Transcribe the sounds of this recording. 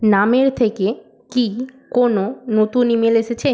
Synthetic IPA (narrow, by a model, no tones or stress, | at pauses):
nameɾt̪ʰeke | kikononot̪unimeleʃet͡ɕʰe